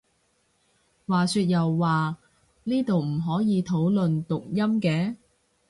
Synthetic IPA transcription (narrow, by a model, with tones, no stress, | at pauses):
waː˨syː˧t̚jɐ˨wːaː˨ | niː˥t̪o˨wm̩˨˩ɦɔː˨˥jiː˨˧t̪ʰo˨˥wlɵ˨nt̪ʊ˨k̚jɐ˥mkɛː˨˥